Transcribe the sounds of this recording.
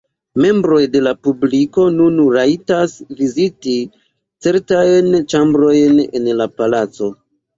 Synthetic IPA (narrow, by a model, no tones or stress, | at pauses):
me̞mbɾo̞jde̞lapubliko̞nunɾatasviziti | t͡se̞ɾtajnt͡ʃambɾo̞jne̞̰nlapalat͡so̞